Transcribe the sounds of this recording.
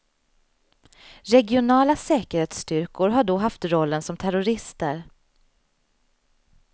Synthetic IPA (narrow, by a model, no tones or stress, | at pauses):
ɾɛɡɪʊnɑːlasɛːkəɾheːt̪st̪ʏɾkʊɾɦaɖɔɦaft̪ɾɔlːənsɔmt̪ʰæɾʊɾɪst̪ə̰ɾ